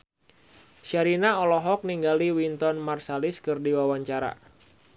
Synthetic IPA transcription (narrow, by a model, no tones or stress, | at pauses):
ʃaɾinaɔlɔɦɔk̚niŋɡaliwint̪ɔnmarsalɪskɨrdiwawaɲt͡ʃaɾa̰